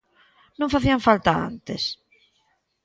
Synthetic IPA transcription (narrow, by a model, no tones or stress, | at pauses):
nõŋfaθiaɱfalt̪aa̰nt̪es